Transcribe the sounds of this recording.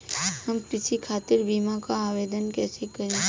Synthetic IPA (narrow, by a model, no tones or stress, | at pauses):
hɐmpɪt͡ʃʰikʰaːt̪ɪɾbiːmakaaːʋeːd̪ənkɛːsekɐɾẽ